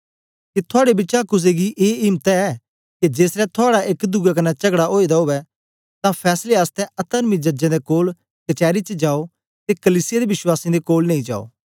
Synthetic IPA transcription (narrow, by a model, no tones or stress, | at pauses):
kit̪ʰʊaːɽebɪt͡ʃakʊs̬eɡiʔeːɪmt̪ɛɛː | kid͡ʒeːsɾɛt̪ʰʊaːɽaʔekd̪ʊɡak̬ɐnɛt͡ʃɐɡɽaʔoːid̪aɦoːʋɛ | t̪ãpʰɛːsleaːst̪ɛɐt̪əɾmid͡ʒɐd͡ʒɛ̃d̪ekoːl | kɐt͡ʃɛːɾit͡ʃəd͡ʒaːo | t̪ekɐliːsɪjad̪ebɪswaːsĩd̪ekoːlnẽːĩd͡ʒa̰ːo̰ː